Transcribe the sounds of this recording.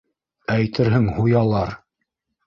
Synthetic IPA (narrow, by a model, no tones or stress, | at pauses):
æjt̪ɘɾɦɘŋhujɑlˠɑɾ